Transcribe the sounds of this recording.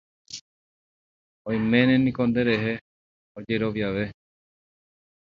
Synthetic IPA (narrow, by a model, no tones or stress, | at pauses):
ojmẽnẽnĩkond̪eɾeɦe | od͡ʒeɾoʋjaʋe